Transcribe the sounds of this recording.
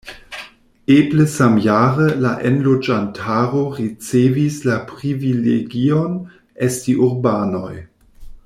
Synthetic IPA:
ebləsamjaːɾəlaʔenlod͡ʒantʰaɾoɾit͡sevislapɾivileɡion | estiʔuɾbaːnoj

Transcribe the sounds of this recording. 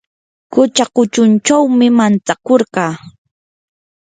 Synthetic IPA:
kʊt͡ʃaqʊt͡ʃʊnt͡ʃawmɪmant͡sakoɾɢɑː

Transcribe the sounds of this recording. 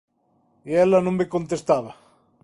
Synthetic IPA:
iɛlɐnõŋmekont̪est̪aβɐ

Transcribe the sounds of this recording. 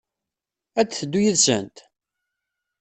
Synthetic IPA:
æt͡sːθəd̪ːujəðsə̰nt̪

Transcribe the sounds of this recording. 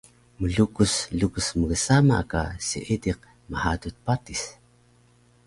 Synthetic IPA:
məɮukuslukusməɡəsama̰ka̰sḭʔidiq̚ | məhadut̪̚patis

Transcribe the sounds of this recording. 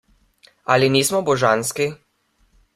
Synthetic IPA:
aliniːsmɔbɔʒanski

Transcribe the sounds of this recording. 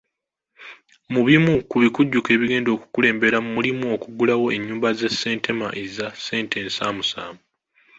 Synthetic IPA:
muβimukuβikuɟːuke̞ːβiɡe̞ːndo̞ːku̥kule̞ːmbe̞ɾamumulimuo̞kuɡulawo̞e̞ɲːuːmbaze̞sːe̞ːntʰe̞ma̰ʔezase̞ːntʰe̞ːnsaːmusa̰ːmu

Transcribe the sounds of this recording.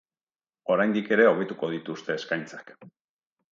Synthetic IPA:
o̞ɾajnd̪ike̞ɾe̞o̞β̞e̞t̪uko̞ð̞it̪ust̪e̞ːskajnt͡sḁk

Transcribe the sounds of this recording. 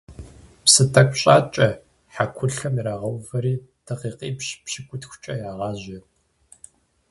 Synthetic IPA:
psɨtʰɐkʷʼɕʼaːt͡ʃʼɐ | ħakʷʰʊɬɐmiɾaːʁɐwfɐɾiːtʰɐqiːqiːpɕpɕɪkʷʼʊtxʷt͡ʃʼɐjaːʁɑːʑɐ

